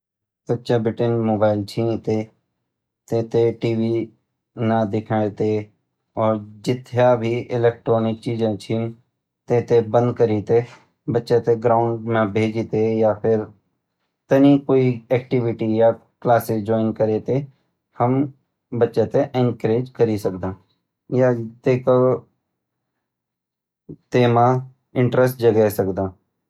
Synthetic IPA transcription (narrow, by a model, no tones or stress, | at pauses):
sətːʃabɪʈenmoːbaːɪlt͡ʃʰĩnt̪e | t̪ẽːt̪eʈiːʋi | nad̪ɪkʰaːet̪e | ɔːɾd͡ʒɪt̪ʰjabʱiʔɪlɛːk̚ʈɾoːnɪk̚t͡ʃiːd͡ʒãt͡ʃʰĩːn | t̪ẽːt̪ebə̃nd̪kəɾit̪e | bətːʃat̪eɡɾaːʊɳɖmẽbʱeːd͡ʒit̪ejapʰɪɾ | t̪ənikoːiɛːk̚ʈɪʋɪʈija | klaːsed͡ʒɔːɪnkəɾet̪e | həm | bətːʃẽt̪eʔɪ̃ŋkɾeːd͡ʒkəɾisəkd̪ãː | jat̪eːko | t̪eːmã | ɪ̃ɳʈɾəsʈ̚d͡ʒəɡɛsəkd̪ãː